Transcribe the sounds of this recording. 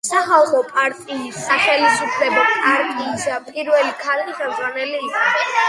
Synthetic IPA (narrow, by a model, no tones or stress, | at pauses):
saχalˠχɔpʼaɾt̪ʼiːsaχɛlisupʰlɛbɛaɾkʼiːsapʼiɾwɛlikʰaɾiχɛmd̪zʁwanɛliikʼχʰɛ